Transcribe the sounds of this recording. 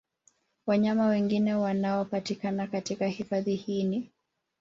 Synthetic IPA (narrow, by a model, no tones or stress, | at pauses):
waɲamawɛŋɡinɛwanaɔpatikanakatikahifaðihini